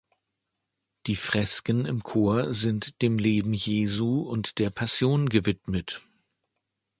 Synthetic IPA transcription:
d̥iːfʁ̥ɛskənɪmkʰoːɐzɪntd̥eːmleːbm̩jeːzuʊntd̥eːɐpʰasjoːnɡəvɪtmət

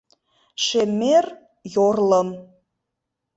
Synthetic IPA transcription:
ʃemer | jorlɤ̆m

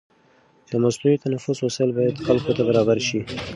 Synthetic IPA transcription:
kamast̪ujot̪anafʊswʊsəlbɑjad̪xalkot̪abaɾɑbaɾʃi

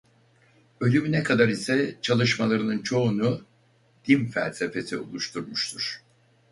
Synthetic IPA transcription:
ø̞lʲymynɛkʰad̪aɾisɛt͡ʃʰalˠɯʃmalˠaɾɯnɯnt͡ʃʰo̞unu | d̪̥infæ̰lʲse̞fe̞sio̰lˠuʃt̪ʰuɾmuʃt̪ʰuɾ̥

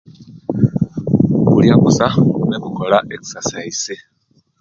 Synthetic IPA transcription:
kuljakusaunekukolaʔeki̥sasaise

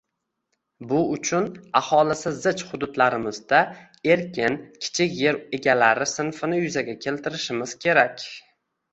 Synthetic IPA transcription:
bʊʊt͡ʃʰʊnahɒlˠɪsɪzɪt͡ʃχʊd̪ʊd̪laɾɪmɪzd̪a | e̞ɾkʲɪnkʲʰɪ̥t͡ʃʰɪkʲje̞ɾe̞ɡʲalaɾɪsɪnfɪnɪjʊzaɡʲakʲʰe̞lt̪ʰɪɾɪʃɪmɪz̥kʲʰe̞ɾakʲ

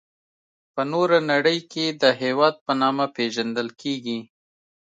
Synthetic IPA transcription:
pənoɾanaɽəjkʰed̪əɦewɑd̪̚pənɑmapeʒand̪əlkʰeɡi

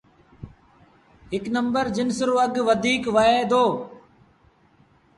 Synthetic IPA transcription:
ɦɪknəmbəɾd͡ʒɪnsɾoːəɡʋəd̪ʱiːkʋəeːd̪oː

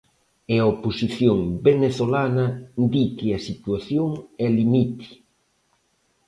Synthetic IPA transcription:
eaoposiθjoŋbeneθolanɐd̪ikɪɐsit̪waθjoŋɛlimit̪i̥

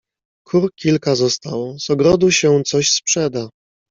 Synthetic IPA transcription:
kʰuɾkʲilkazɔst̪awɔzɔɡɾɔd̪uɕɛt̪sɔɕspʂɛd̪a

